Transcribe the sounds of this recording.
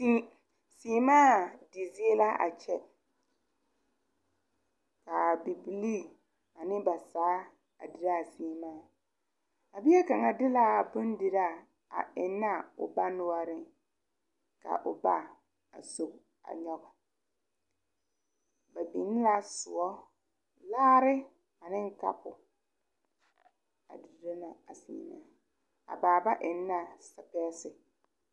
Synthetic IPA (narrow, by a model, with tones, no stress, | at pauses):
i˦ | si˦maː˦dɪ˨zi˦e˦la˦a̰˨t͡ʃɛ˦ | ka˨bi˨bi˨li˦ | a˨nɪ˦ba˨saː˨˦ | a̰˨dɪ˨ɾa˦˨siː˦˨˦maː˦˨ | a˨bi˦ɛ˦ka˨ŋa˨dɪ˦la˦˨bʊ˦ndɪ˨ɾa˦˨ | a̰˨ʔɪ˨nːa˦ʊ̰˨ba˦nʊ˦ɔ˦ɾɪ˦ | ka̰˨ʔʊ˨ba˦ | a̰˨so˨k | a̰˨ɲɔ˦ɡa˨ | ba˨bi˨˦n˦la˦sʊ˨ɔ˦ | laː˦ɾɪ˦ | a˨nɪ̃˦ŋ˦ka̰˦pʊ˨ | a̰˨di˨ɾa˦na˨a˨sḭ˨na̰˦ | a̰˨baː˨ba˦ʔɪ˨nːa˦sa˨pɛː˦sɪ˨